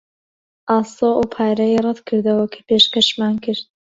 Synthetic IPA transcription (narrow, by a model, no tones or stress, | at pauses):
ʔɑːsoːʔupʰaːɾɐjrˤɛt̪kʰɨɾd̪ɐwɐkʰḁpeːʃkɐʃmaːnkʰɨɾd̪̚